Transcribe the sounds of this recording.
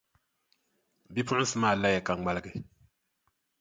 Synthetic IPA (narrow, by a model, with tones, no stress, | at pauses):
bi˦pʊ˦ʔʊ˦n˦sɨ˦maː˦˨la˦jɛ˨ka˨ŋ˦ŋ͡ma˦lɨ˦ɡɨ˨